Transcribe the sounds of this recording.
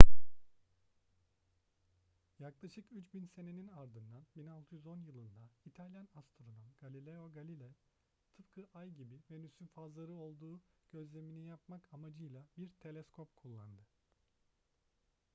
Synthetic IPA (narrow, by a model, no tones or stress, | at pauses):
jaklˠaʃɯkyt͡ʃbinse̞ne̞ninaɾd̪ɯnd̪anbinalˠt̪ʰujyzo̞njɯlˠɯnd̪ait̪ʰalʲjanast̪ɾo̞d̪amɡ̥alʲilʲɛoɡalʲilʲɛ | t̪ʰɯpkʰɯʔajɟibime̞nysynfazlˠaɾɯo̞lˠd̪uːɟ̥ø̞zlʲe̞minijapmakamad͡ʒɯjlˠabiɾt̪ʰe̞lʲɛskʰo̞pkʰulˠːand̪ɯ